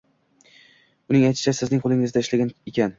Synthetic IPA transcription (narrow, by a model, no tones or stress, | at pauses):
ʊnɪŋajt̪ʃɪ̥t͡ʃʰasɪznɪŋqʰolˠɪŋɪzd̪aɪʃlaɡʲaekʲʰan